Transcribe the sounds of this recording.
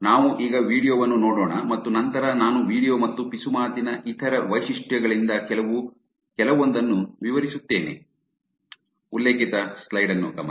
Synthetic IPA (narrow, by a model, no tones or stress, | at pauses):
naːʋuʔiːɡɐʋiːɽijoːʋɐnːunoːɽoːɳɐmɐt̪ːunɐnt̪ɐɾɐnaːnuʋiːɽijoːmɐt̪ːupisumaːt̪inɐʔit̪ʰɐɾɐʋɐjʃiʂʈjɐɡɐɭind̪ɐkɛlɐʋu | kɛlɐʋo̞nd̪ɐnːuʋiʋɐɾisut̪ːe̞ːnḛ | ulːe̞ːkit̪ɐslɐjɖɐnːṵkɐmɐ